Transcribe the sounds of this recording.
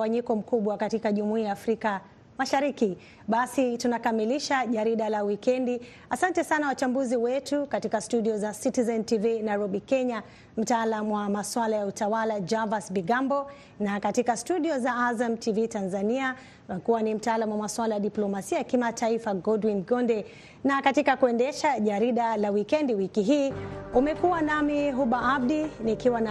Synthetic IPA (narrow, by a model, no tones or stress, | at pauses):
waɲikɔm̩kuɓwakatikaʄumuiːjaːfɾika | maʃaɾiki | ɓasitunakamiliʃaʄaɾiɗalawikɛndi | asantɛsanawat͡ʃambuziwɛtukatikastuɗiɔzasitizɛntivinajɾɔɓikɛɲa | m̩taalamwamaswalajautawalad͡ʒavasbiɡambɔ | nakatikastuɗiɔzaazamtʰivitanzania | umɛkuwanim̩taaːlamuwamaswalajaɗiplɔmasiajakimataifaɡɔdwinɡɔndɛ | nakatikakuɛndɛʃaʄaɾiɗalawikɛndiwikiɦiːumɛkuwanamiɦuɓaab̚dinikiwana